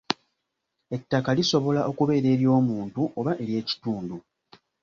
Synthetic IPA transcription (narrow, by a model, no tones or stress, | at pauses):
e̞tːakaliso̞βo̞laʔo̞kuβe̞ːɾe̞ːɾjo̞ːmuːntuʔo̞βaʔe̞ɾje̞ːci̥tuːndu